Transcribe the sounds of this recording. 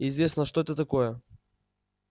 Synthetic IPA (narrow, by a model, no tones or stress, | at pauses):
ɪzʲvʲesʲnəʂt̪oɛt̪ət̪ɐkojə